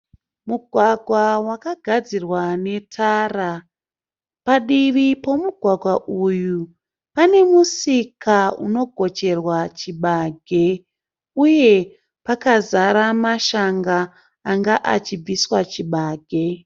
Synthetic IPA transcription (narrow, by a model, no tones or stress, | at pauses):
muɡʱwaɡʱwawakaɡʱad͡zirwane̞tʰaːra | paɗiʋipo̞muɡʱwaɡʱwaʔuju | pane̞musikʰaṵno̞ɡʱo̞t͡ʃe̞rwat͡ʃiɓaɡʱe̞ | uje̞ | pakazaɾamaʃaŋɡaː | ŋɡaʔat͡ʃib͡viswat͡ʃiɓaːɡʱe̞